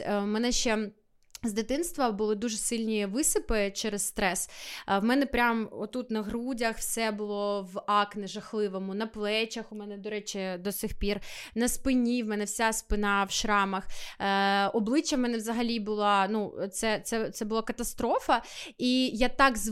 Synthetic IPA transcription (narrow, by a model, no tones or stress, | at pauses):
mɛnɛʃt͡ʃɛ | zd̪ɪt̪ɪnst̪ʋɐbʊlˠɪd̪uʒesɪlʲnʲiʋɪsɪpɪt͡ʃɛɾɛsst̪ɾɛswmɛnɛpɾʲamɔt̪ːut̪nɐɦɾudʲɐxwsɛbʊlˠɔʋɑknɪʒɐxlˠɪʋɔmʊnɐplˠɛt͡ʃɐxʊmɛnɛd̪ɔɾɛt͡ʃɪd̪ɔsɨxpʲirnɐspɪnʲiwmɛnɛwsʲaspɪnɑwʃɾɑmɐx | ɔblˠɪt͡ʃːɐwmɛnɛʋzɐɦɐlʲibʊlˠɑnut̪sɛt̪sɛt̪sɛbʊlˠɑkɐt̪ɐst̪ɾɔfɐijat̪ɑkz